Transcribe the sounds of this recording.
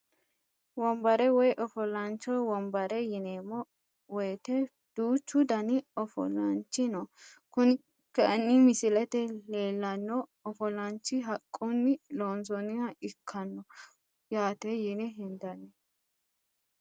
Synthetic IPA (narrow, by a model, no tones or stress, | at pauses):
wɔmbɐɾɛwɔjʔɔfɔlɐnt͡ʃːɔwɔmbɐɾɛjɪneːmːɔ | wɔjt̪ɛ | d̪̥uːt͡ʃːʊd̪ɐnɪɔfɔ̰lɐnt͡ʃːɪnɔkʊn | kɐʔɐnːɪmɪsɪlɛt̪ɛleːlːɐnːɔɔfɔlɐnt͡ʃːɪɦɐkʼːʊnːɪloːnsɔnɪjɐɪkʰːɐnːɔ | jaːt̪ɛjɪnɛɦɪnd̪ɐnɛ